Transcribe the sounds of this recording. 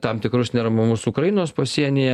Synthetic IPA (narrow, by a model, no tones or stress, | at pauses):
t̪ɑmt̪ʲɪkɾʊsnʲɛɾɐmɐmʊsuːkɾɐjɪnoːspɐsʲiɛnʲɪjɛ